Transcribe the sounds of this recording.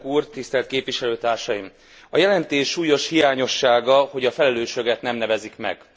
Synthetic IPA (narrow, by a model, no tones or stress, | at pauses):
kuːrt̪ist̪ɛlt̪keːpʋiʃɛløːt̪aːrʃɒjim | ɒjɛlɛnt̪eːʃːuːjo̞ʃhijaːɲo̞ʃːaːɡɒho̞ɟɒfɛlɛløːʃøɡɛt̪nɛmnɛvɛzikmɛ̰ɡ̥